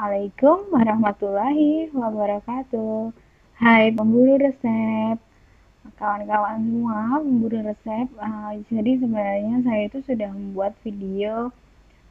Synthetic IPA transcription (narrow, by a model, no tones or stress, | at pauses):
ʔalakʊmwaɾahmat̪ulaɦiwabaɾakat̪u | hajpəmbuɾiɾəsɛp̚ | kawankawansəmuaməmbuɾiɾəsɛp̚əsadis̬əbənaɲas̬ajait̪usudahməmbuat̪̚fidio